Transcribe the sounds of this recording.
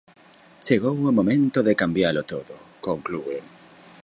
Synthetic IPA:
t͡ʃeɣ̞owomomẽnt̪oðekambjalot̪oðokoŋklue

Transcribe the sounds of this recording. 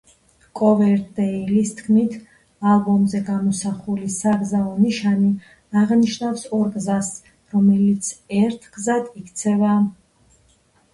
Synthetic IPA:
kʼɔvɛɾd̪ɛilist̪ʰkʰmit̪ʰ | alˠbɔmzɛɡamɔsaχulisaɡzaɔniʃani | aʁniʃnafsɔɾɡzas | ɾɔmɛlit̪sʰɛɾt̪ʰɡzad̪ikʰt̪sʰɛva

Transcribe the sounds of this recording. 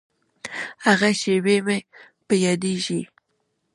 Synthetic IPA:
haɣaʃeweme | pəjɑd̪eʒi

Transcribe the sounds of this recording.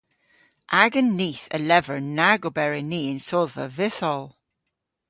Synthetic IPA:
ʔaɡənːiːθə̰lɛvəɹnaɡobɛɹɪniːɪnsoðvə̰vɪθɔlˠ

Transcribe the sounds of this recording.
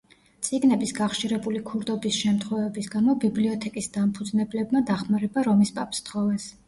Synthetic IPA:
t̪sʼiɡnɛbisɡaχʃiɾɛbulikʰuɾd̪ɔbisʃɛmt̪ʰχwɛvɛbisɡamɔbibliɔt̪ʰɛkʼisd̪ampʰud̪znɛblɛbmad̪aχmaɾɛbaɾɔmispʼapʼst̪χɔvɛs

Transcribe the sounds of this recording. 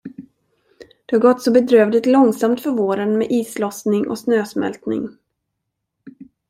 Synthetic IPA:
d̪̥ɛhaɾɡɔt̪ːsɔbɛd̪ɾøːvlɪt̪lɔŋsamt̪fœɾvoːɾənmɛʔiːslɔsnɪŋʔɔ̰snøːsmɛ̰lt̪nɪ̰ŋ

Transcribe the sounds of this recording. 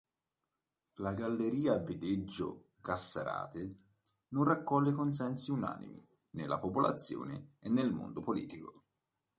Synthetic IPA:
laɡalːeɾiːavːed̪ed͡ʒːo̰ | kasːa̰ɾa̰ːt̪ɪ | nonrakːɔlːekons̬ɛnsiuna̰ːnḭmḭ | nelːapopola̰t̪sːjo̰ːnɪ̰enːelmo̰nd̪opolḭːt̪iko

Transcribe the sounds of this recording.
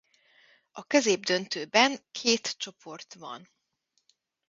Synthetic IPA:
ɒkøzeːbd̪ønt̪øːbɛŋkʰeːt̪t͡ʃo̞pʰo̞rt̪ʋɒ̰n

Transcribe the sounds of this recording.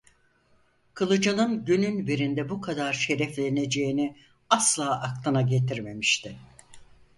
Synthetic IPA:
kʰɯlˠɯd͡ʒanˠɯnɟynynbiɾind̪ɛbukʰad̪aɾʃe̞ɾɛflʲene̞d͡ʒe̞jini | aslˠaːʔaklˠɯnaɟe̞t̪ʰiɾme̞miʃt̪ʰɪ

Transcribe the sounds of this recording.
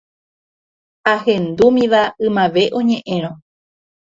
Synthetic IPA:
aɦẽ̞nd̪umĩʋaɨmãʋe̞ʔõ̞ɲẽ̞ʔẽ̞ɾ̃õ

